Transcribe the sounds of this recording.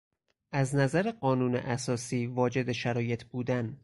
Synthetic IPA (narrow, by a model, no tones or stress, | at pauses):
ʔæznæzæɾeɢɒːnuːnḛʔæsɒːsiːvɒːd͡ʒe̞d̪e̞ʃæɾɒːje̞t̪ʰbuːd̪æn